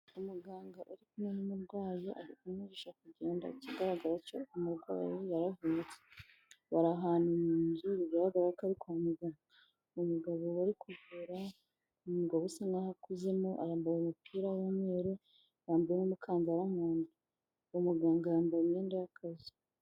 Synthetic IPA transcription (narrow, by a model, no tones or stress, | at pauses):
umuɡaːŋɡaʔoɾikunininuɾɡwaːjoʔaɾikumiɟeʃakuɟe̞ːnda̰ciɡaɾaɡaɾaco̞umuɾɡwa̰ːjojaɾavunut͡se̥ | βaɾaɦaːnumuːnzuɾiβahaɡaɾaakaɾikuamuɡaːŋɡa | omuɡaβowaɾikuvuɾa | umuɡaβusanahakuze̞moʔa̰ɾaːmbajomupʰiːɾawomwe̞ːɾe | ɾaːmbujemumukʰaːnzaɾamuːndu | omuɡaːŋɡajaːmbaimɲe̞ːndajakazi